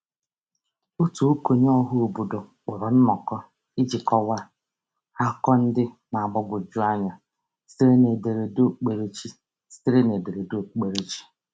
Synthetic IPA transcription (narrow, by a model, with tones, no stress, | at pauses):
o˦tu˨o˦ko˨ɲ˦ɔ˦ɦʊ˦o˨bu˨do˨k͡pʊ˨ɾɔ˨n̩˦mɔ˨kɔ˦ | i˦d͡ʒi˨kɔ˦wa˦ | ha˦kɔ˦n̩˦dɪ˦ | na˨ɡ͡bɔ˦bʊ˨d͡ʒu˦a˦ɲa˨ | si˦ɾe˦ne˨be˨ɾe˨do˦˨k͡pe˨ɾe˦t͡ʃi˦ | si˦ɾe˦ne˨be˨ɾe˨do˦˨k͡pe˨ɾe˦t͡ʃi̥˦